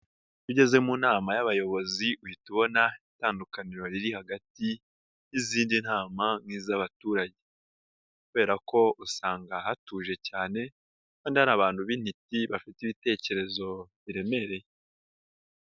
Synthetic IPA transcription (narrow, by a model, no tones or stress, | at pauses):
tuɟe̞ze̞munaːmajaβajo̞βo̞ziuhituβo̞naitaːndukaniɾo̞ɾiɾihaɡati | jiziːndin̥haːmamŋiːzaβatuːɾaɟe̞ | kuβe̞ɾako̞usaːŋɡahatuːʒe̞caːne̞ | kaːndihaɾaːβaːnhuβin̥hitiβafitiβite̞ːce̞ɾe̞zo̞βiɾe̞me̞ɾe̞je